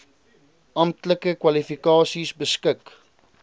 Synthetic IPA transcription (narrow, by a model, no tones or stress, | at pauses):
ʔɐmtləkəkwɐlifikɑːsisbəskək